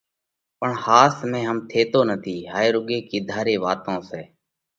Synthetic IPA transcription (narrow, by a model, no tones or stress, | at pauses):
pəɳhaːsmẽːɦəmt̪ʰeːt̪oːnət̪ʰiːɦaːeːɾʊɠeːkiːd̪ʱaːɾeːʋaːt̪õːsɛː